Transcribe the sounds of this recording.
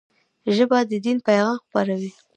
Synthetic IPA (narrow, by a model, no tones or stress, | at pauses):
ʒəbɑd̪əd̪inpajɣɑmxpaɾawi